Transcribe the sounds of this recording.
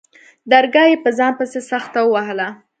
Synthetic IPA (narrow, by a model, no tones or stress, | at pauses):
d̪aɾɡɑjepəzɑnpəsesaxt̪awəwaɦəla